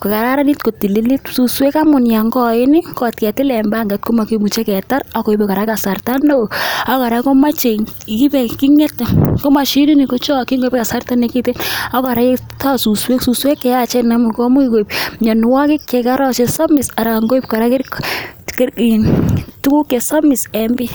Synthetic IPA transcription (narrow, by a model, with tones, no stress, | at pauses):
kɔ˨ka˨ɾa˦ɾa˦ni˦t̚ko˨ti˨li˦li˦t̚su˨swe˦ka˦mʊ˨nja˨ŋɡɔ˦ɪ˦nɪ˦kɔ˨t̚kɛ˨tɪ˦lɛ˨mba˦ŋɡa˨t̚ko˦ma˨kimu˨t͡ʃe˦kɛ˨ta˦ɾa˦ko˨i˨pɛ˨ka˨ɾa˦ka˨sa˨rta˦no˦˨a˦kɔ˨ɾa˨˦ko˦ma˦t͡ʃe˨ki˦pɛ˨ki˦ŋɛ˦tko˦ma˨ʃi˦ni˦ni˨ko˦t͡ʃɔ˦ki˦ŋɡo˦pɛ˦ka˨sa˦rta˦ne˨ki˦te˦na˦kɔ˨ɾa˨˦ta˦su˨swe˦ksu˨swe˦kːɛ˨ja˨t͡ʃɛ˦na˦mu˨nkɔ˦mu˦ki˦ko˨i˨b̚ɲɔ˨n˨wa˦kɪ˦kɛ˨ka˦ɾɔ˦t͡ʃe˨sɔ˦mɪ˨sa˨ɾa˨ŋɡo˦i˦p̚ka˨ɾa˦ke˦ɾkke˦i˨ntu˦ku˦kːe˨sɔ˦mɪ˨sɛ˨mbi˦